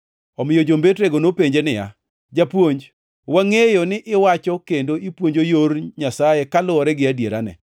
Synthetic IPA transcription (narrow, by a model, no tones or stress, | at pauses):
ɔmɪjod͡ʒombetɾeɡonopeɲd͡ʒenɪja̰ | d͡ʒapwoɲd͡ʒ | waŋejonɪʔɪwat͡ʃɔkendoʔipwoɲd͡ʒojoɾɲasajekalʊɔɾɛɡɪadjeɾanɛ̰